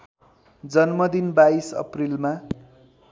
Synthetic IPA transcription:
d͡zʌnmʌd̪inbaisʌ̰prilma

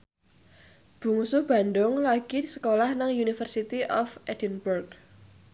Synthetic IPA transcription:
b̥ṳŋsub̥a̤nd̪ʊŋlaɡ̥isə̥kolahnaŋjunifərsit̪iʔɔfʔɛd̥ənburɡ

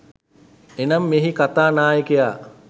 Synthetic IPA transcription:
enamːeɦikat̪aːnaːjekejaː

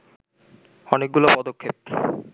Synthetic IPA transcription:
ɔnek̚ɡulopɔd̪okʰːep̚

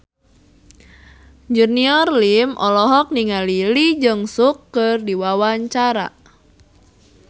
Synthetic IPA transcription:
d͡ʒurniɔrlimʔɔ̰lɔɦɔk̚niŋalilid͡ʒɨŋsukːərdiwawaɲt͡ʃaɾa̰

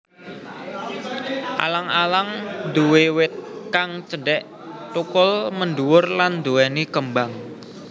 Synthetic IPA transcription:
ʔa̰laŋalaŋd̪uwewɪt̪̚kaŋt͡ʃəɖɛʔ | t̪ukʊlmənɖuwʊrland̪uɛnikəmbaŋ

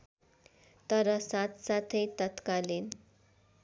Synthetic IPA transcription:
t̪əɾʌsat̪sat̪ʰejt̪ət̪kalin

